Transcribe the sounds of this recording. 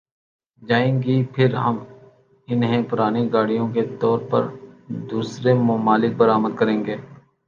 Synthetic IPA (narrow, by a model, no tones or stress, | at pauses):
d͡ʒaːẽːɡipʰɪɾɦɐm | ɪnɦẽpʊɾaːneɡaːɽijõket̪ɔːɾpɐ̰ɾd̪uːsɾemʊmaːlɪk̚bəɾaːməd̪̚kəɾẽːŋɡeː